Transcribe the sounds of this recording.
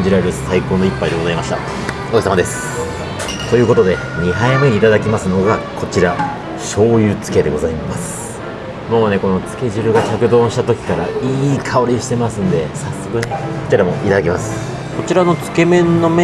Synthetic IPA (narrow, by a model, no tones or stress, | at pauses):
d͡ʑiɾaɾɯ̟saiko̞ːno̞ipːaid̪e̞ɡo̞zaimaɕi̥t̪a̰ | oisamad̪e̞sɨ̥ | t̪o̞jɯ̟ːko̞t̪o̞d̪e̞ | ɲ̟iɦaimɯɲʲit̪ad̪akʲimasɨno̞ɡakʰo̞t͡ɕiɾa | ɕo̞ːjɯːt͡sɨ̥ke̞d̪e̞ɡo̞zaimasɨ̥ | mo̞ːne̞ko̞no̞t͡sɨ̥ke̞ʑɨɾɯ̟ɡat͡ɕakɯ̟d̪õ̞ːɕi̥t̪at̪o̞kʲi̥kaɾaiːkʰao̞ɾʲiɕi̥t̪e̞masɨ̃nd̪e̞sasːo̞kɯ̟neko̞t͡ɕiɾamo̞ʔit̪ad̪akemasɨ̥ | ko̞t͡ɕiɾano̞t͡sɨ̥ke̞mẽ̞nːo̞m